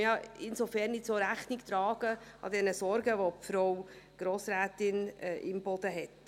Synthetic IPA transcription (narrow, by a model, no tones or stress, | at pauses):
jɑɪnsofɛrnːɪtsoɾæχnɪkt̪ɾɑːɡəʔɑ̰dɛnəsɔɾɡəʋopfɾɔwɡ̥ɾoːsɾæːt̪ɪnʔɪ̰mbɔd̪̥əɦɛt